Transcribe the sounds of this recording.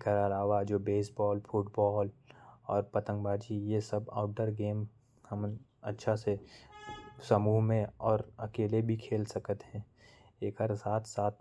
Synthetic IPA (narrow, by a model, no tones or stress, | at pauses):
kəəlaːʋad͡ʒoːbeːsbɔːlfʰuʈbɔːlɔːɾpət̪ə̃ŋɡbaːd͡ʒijesəba̰ːʊʈ̚ɖəɾɡeːm | həm | ɐtːʃʰase | səmuːɦmẽɔːɾɐkeːlebʱikʰeːlsəkət̪ɦɛ̃ː | eːkɦəɾsaːt̪ʰsaːt̪̚